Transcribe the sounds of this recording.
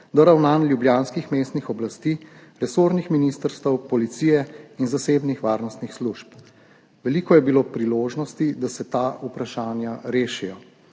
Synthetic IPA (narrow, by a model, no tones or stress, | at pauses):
d̪ɔɾawnanlʲjubljaːnskixmeːst̪nixɔblast̪iːɾɛsoːɾnixminist̪əɾst̪əwpɔlit̪sijɛinzaseːbnixʋaːɾnɔst̪nixsluʃp | ʋɛliːkɔjɛbiloːpɾiloːʒnɔst̪id̪asɛt̪aːupɾaʃaːnjaɾeːʃijɔ